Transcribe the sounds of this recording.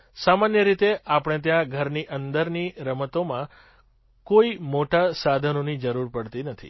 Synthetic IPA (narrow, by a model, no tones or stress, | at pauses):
samanjəɾit̪eapɽ̃ẽt̪̬jãɡʱəɾniʔənd̪əɾniɾəmət̪omã | koimoʈasad̪ʱənonid͡ʒəɾuɾpəɽt̪inət̪ʰḭ